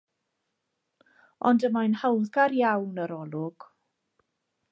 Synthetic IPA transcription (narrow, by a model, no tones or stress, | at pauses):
ɔ̰ndəmajnhawðɡaɾjawnəɾɔlˠʊɡ̥